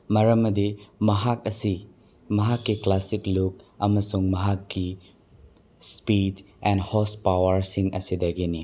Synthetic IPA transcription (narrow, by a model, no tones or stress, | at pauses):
mɐɾɐmːɐdimɐɦak̚ɐsi | mɐɦakːiklasiklukɐmɐsuŋmɐɦakːi | spid | ɛndhospawɐɾsiŋɐ̰sidɐɡini